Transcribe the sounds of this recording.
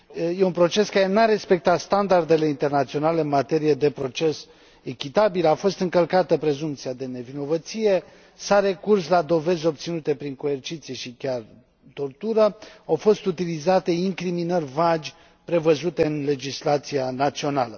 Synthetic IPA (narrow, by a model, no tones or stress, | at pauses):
jeunpɾo̞t͡ʃe̞skaɾe̞naɾe̞spe̞k̚t̪at̪st̪and̪ard̪e̞le̞int̪e̞rnat̪sio̞nale̞ɨnmat̪e̞ɾijed̪e̞pɾo̞t͡ʃe̞s | e̞kʲit̪abilafo̞st̪ɨŋkəlkat̪əpɾezumpt̪siad̪e̞ne̞vino̞vət̪sije̞ | saɾe̞kurslad̪o̞ve̞zʲo̞p̚t̪sinut̪e̞pɾiŋko̞ert͡ʃit̪sije̞ʃikʲar | t̪o̞rt̪uɾəawfo̞st̪ut̪ilizat̪e̞iŋkɾiminərʲvad͡ʒʲ | pɾe̞vəzut̪e̞ɨnle̞d͡ʒislat̪sianat̪sio̞nalə